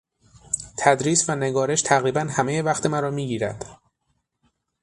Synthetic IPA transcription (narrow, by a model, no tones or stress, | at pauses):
t̪ʰæd̪ɾiːsvæne̞ɡɒːɾe̞ʃt̪ʰæɣɾiːbænhæmejevæxt̪ʰe̞mæɾɒːmiːɟiːɾæ̰d̪̥